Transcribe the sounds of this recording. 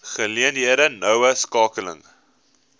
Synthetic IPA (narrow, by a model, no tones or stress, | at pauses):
χəliənɦiəɾənœwəskɑːkələ̰ŋ